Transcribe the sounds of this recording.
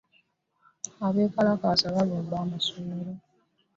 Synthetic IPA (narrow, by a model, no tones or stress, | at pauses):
aβe̞ːkalakasaβaloːmbaːmasumeɾo